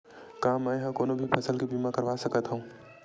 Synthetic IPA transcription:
kaːmːə̃jɦə̃koːnobʱipʰəsəlkebiːmakəɾʋasəkət̪ɦə̃ũ

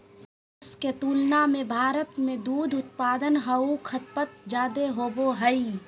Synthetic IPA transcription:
sə | sket̪uːlnamẽbʱaːɾət̪mẽd̪uːd̪ʱʊt̪̚paːd̪ənɦəukʰət̪̚pət̪̚d͡ʒaːd̪eɦoːboɦəi

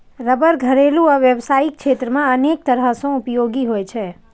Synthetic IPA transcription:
ɾəbəɾɡʱəɾelũaʋjəʋsaikʃet̪ɾəmãənek̚t̪əɾasõʊpjoɡiɦojt͡ʃʰe

